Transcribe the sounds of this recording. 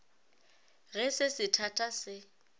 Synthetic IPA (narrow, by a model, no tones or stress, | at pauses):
ɣɛsɪsɪtʰatʼasɪ